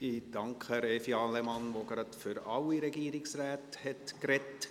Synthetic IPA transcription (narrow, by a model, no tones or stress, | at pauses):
id̥ɑŋkχəɾɛfiɑːlɛmɑnʋoɡɾɑtfʏɾɑliɾɛɡiːəɾɪksræːthɛtkɾɛt